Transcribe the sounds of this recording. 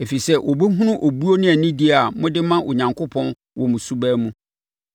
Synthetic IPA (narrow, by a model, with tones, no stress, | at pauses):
e˨fi˨sɛ˦ʔɔ˨bu˦ɦũ˦nʊ̃˦ʔo˨bu˦o˦nɪ̃˦ɛ˨nĩ˦di˦a˨mʊ̃˦dɪ˦mã˦ʔo˨ɲã˨ŋkʰo˦pʰɔ̃˦n | wɔ̃˨mũ˨su˦bæː˦mũ˦